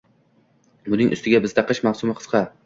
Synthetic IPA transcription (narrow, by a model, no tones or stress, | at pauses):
bʊnɪŋʔʊ̰st̪ʰɪɡʲabɪzd̪aqʰɨʃmɑχsʊmɪqʰɨ̥z̥qʰɑ